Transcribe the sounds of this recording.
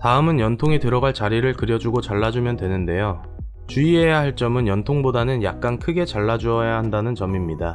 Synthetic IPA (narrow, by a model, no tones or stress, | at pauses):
taɯmɯnjʌntʰoŋitɯɾʌɡaɭt͡ɕaɾiɾɯɭkɯɾjʌd͡ʑuɡot͡ɕaɭːad͡ʑumjʌndwe̞nɯnde̞jo | t͡ɕuie̞jaɦaɭt͡ɕ͈ʌmɯnjʌntʰoŋbodanɯnja̰k̚k͈ankʰɯɡe̞t͡ɕaɭːad͡ʑuʌjahandanɯnt͡ɕʌmimɲida